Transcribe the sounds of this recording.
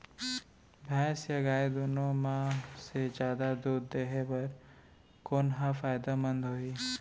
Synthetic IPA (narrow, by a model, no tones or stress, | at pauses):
bʱɛːsjɐɡaːed̪oːnõmãsed͡ʒjaːd̪ad̪uːd̪ːeɦebɐɾ | koːnɦãfaːjd̪amə̃nd̪ɦoːiː